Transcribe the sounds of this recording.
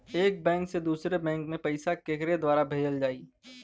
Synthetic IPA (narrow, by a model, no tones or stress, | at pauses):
eːk̚bɛ̃ːŋksed̪uːsɾebɛ̃ːŋkmẽpɐɪsakeːkɾed̪waːɾabʱeːd͡ʒəld͡ʒaːiː